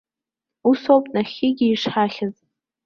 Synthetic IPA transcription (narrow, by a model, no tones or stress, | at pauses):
usowpʼnaχʲɪɡʲɪiʂħaχʲɪz